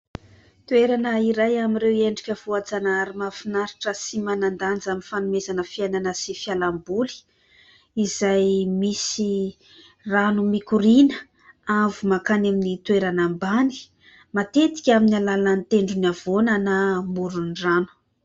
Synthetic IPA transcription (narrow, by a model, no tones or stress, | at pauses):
t̪uweɾanəiɾajamiɾeweɳɖ͡ʐikʲəv̥uat͡sanaaɾimafinaɾiʈ͡ʂəsimanand̪and͡zaminfanumezanəfiajnanəsifialambuli̥ | izajmisi | ranumikuɾinə | avumakanaminit̪ueɾanambani̥ | mat̪et̪i̥kʲaminalalant̪eɳɖ͡ʐunav̥onənamuɾunranu̥